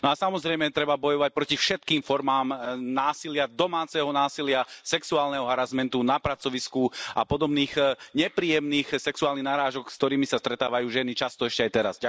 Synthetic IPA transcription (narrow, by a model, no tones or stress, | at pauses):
nɔasamɔzɾɛjmɛt̪ɾɛbabɔjɔʋac̚pɾɔcifʃɛt̪̚kiːmfɔɾmaːmnaːsilɪad̪ɔmaːt͡sɛɦɔnaːsilɪasɛksuaːlnɛɦɔɦaɾazmɛnt̪unapɾat͡sɔʋiskua̰pɔd̪ɔbniːxɲɛpɾiːjɛmniːxsɛksuaːlniɣnaɾaːʒɔkskt̪ɔɾiːmisast̪ɾɛt̪aːʋajuːʒɛnit͡ʃast̪ɔɛʃcɛajt̪ɛɾa̰zɟa